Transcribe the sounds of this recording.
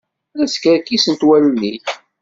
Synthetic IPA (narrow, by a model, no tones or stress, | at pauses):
ɾæskəɾkisənt̪wælniθ